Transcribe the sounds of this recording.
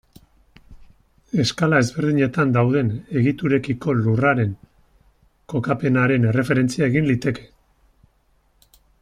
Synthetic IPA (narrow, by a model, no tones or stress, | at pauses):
e̞skalae̞zβe̞ɾð̞iɲe̞t̪and̪awð̞e̞ne̞ɣit̪uɾe̞kiko̞luraɾe̞ŋ | ko̞kape̞naɾe̞ne̞re̞fe̞ɾe̞nt͡siae̞ɣinlit̪e̞ke̞